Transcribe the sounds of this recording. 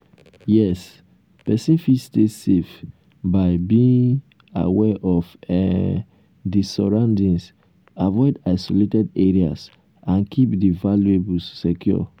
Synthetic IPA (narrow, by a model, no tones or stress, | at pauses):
jɛs | pɛsĩnfistesef | baɪbiĩŋ | a̰wɛʔɔfɛ | disɔɹãndĩns | avɔɪdaɪsoletɛdeɹia̰s | ãnkʰipdivaluebulsːɛkʰjɔ̰